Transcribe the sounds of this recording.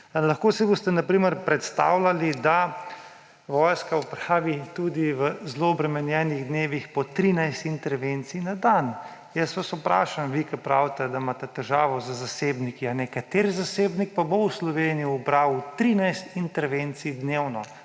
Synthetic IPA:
laxkosibost̪ɛnapɾiːməɾpɾɛt̪st̪a̰ːwlalid̪a | ʋɔːjskaupɾaːʋit̪ud̪iʋəzloɔbɾɛmɛnjɛːniɣd̪neːʋixpɔt̪ɾinajst̪int̪ɛɾʋent̪sinad̪an | jəsʋasupɾa̰ːʃamʋikɛpɾawt̪ɛd̪amat̪ɛt̪ɛʒaːʋɔzəzaseːbnikianɛkat̪eɾzaseːbnik̚pabowslɔʋeːnijuːbɾawut̪ɾiːnajst̪int̪ɛɾʋent̪sid̪newnɔ

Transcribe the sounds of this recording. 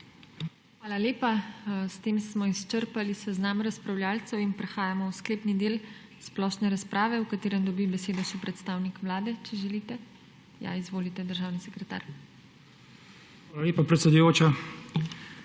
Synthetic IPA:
xʋaːlaleːpast̪eːmsmɔist͡ʃəɾpalisɛznamɾaspɾawljaːlt̪sɛwinpɾɛxaːjamɔwskleːpnid̪eːl | splɔʃnɛɾaspɾaːʋɛwkat̪eːɾɛnd̪ɔbibɛseːd̪ɔʃɛpɾɛt̪st̪aːwnikʋlaːd̪ɛt͡ʃɛʒɛlit̪ɛ | ja̰izʋoːlit̪ɛd̪əɾʒaːwnisɛkɾɛt̪a̰ːɾ | xʋaːlaleːpapɾɛt̪sɛd̪ujoːt͡ʃa

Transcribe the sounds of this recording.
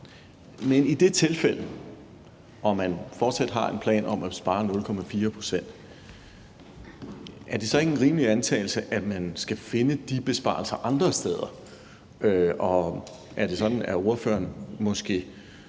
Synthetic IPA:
menid̥e̝t͡sʰe̝lfel̰ə | ʔɒ̽mænfɒːd̥sæd̥ɦɑ̈e̝npʰlɛ̰ːnʔɒ̽mʔæsb̥ɑ̈ːnɔ̽lkʰɒ̽mæfiːɐpʰʁo̝̥sen̰d̥ | ʔæɐd̥e̝sɒ̽e̝ɡ̥n̩ʁiːməliænt͡sʰɛ̰ːɪl̩səʔæmænsɡ̥æfe̝nəd̥ib̥e̝sb̥ɑ̰̈ːl̩sɐʔɑ̈nd̥ʁɐsd̥eːð̞ˠɐ | øɒ̽ | ʔæɐd̥e̝sɒ̽d̥n̩æɐo̝ɐfø̰ːɐnmɒ̽sɡ̥e̝̰ː

